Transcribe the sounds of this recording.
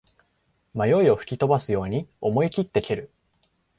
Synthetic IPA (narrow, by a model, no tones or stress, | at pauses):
majo̞io̞ɸɯ̟̥kʲit̪o̞basɨjo̞ːɲ̟io̞mo̞ikʲit̪ːe̞kʲeɾɯ̟